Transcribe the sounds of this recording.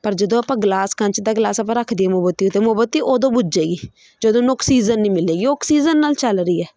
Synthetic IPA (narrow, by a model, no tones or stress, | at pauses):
pəɾd͡ʒəd̪õːəpãːɡlaːskəɲt͡ʃd̪aːɡlaːsəpãːɾəkʰd̪iːɛːmoːbət̪ːiːʊt̪ːeːmoːbət̪ːiːʔoːd̪õːbʊd͡ʒd͡ʒeːɡiː | d͡ʒəd̪õːnʊksiːzənːĩːmɪlːeːɡiːoksiːzənːaːlt͡ʃəlɾiːɛː